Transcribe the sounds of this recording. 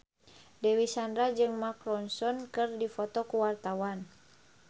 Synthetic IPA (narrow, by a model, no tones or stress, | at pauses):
dɛwisandɾad͡ʒɨŋmakɾɔnsɔnkɨrdifɔt̪ɔkuwart̪awan